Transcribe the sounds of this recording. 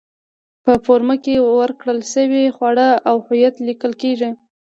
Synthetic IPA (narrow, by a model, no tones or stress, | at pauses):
pəfoɾmakewəɾkɽəlʃəwexwaɽəawhʊjat̪likəlkeʐi